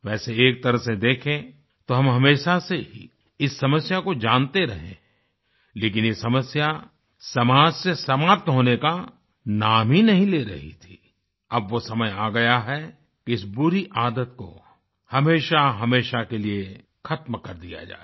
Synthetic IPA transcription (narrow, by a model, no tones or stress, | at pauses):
ʋɛːseeːk̚t̪ɐɾəɦsed̪eːkʰẽ | t̪oɦɐ̃mɦɐmeːʃaseɦḭ | ɪsːɐməsjakod͡ʒaːnt̪eɾɐɦẽɛ̃ː | leːkɪnjesɐməsja | sɐmaːd͡ʒsesɐmaːp̚t̪ɦoːneka | naːmɦinɐɦĩleːɾɐ̰ɦḭt̪ʰi | ɐbʋosɐməjaːɡɐjaɦɛ | kiɪsbʊɾiʔaːd̪ət̪̚ko̰ | hɐmeːʃaɦɐmeːʃakelie | xʰɐt̪mkɐɾd̪ija̰d͡ʒa̰ːe